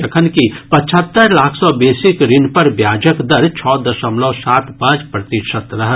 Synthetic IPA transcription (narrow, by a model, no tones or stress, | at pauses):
ɐkʰənkipɐ̃t͡ʃʰət̪ːəɾlaːkʰsɔbeːsɪkɾɪnpɐɾbjaːd͡ʒəkd̪əɾt͡ʃʰɔːd̪əʃəmlɔːsaːt̪ʰpãːd͡ʒpɾɐt̪ɪʃət̪ɾɐɦ